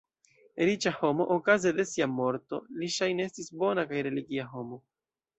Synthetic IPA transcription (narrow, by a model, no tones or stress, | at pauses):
eɾit͡ʃaho̞mo̞ʔokazede̞siamo̞ɾto̞̰liʃajnee̞stisbo̞nakajɾe̞liɡiaɦo̞mo̞